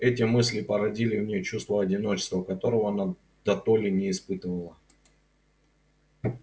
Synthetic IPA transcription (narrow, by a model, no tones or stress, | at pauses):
ɛt̬ʲɪmɨsʲlʲɪpəɾɐdʲilʲɪvnʲet͡ɕust̪vəɐdʲɪno̞t͡ɕɪ̥st̪vəkɐt̪o̞ɾəvəɐna | d̪̥ɐt̪olʲɪnʲɪːspɨt̪əvəlˠə